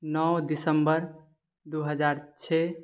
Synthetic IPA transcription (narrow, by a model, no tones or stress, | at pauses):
nɔwd̪isəmbəɾ | d̪uɦəd͡ʒaɾt͡ʃʰe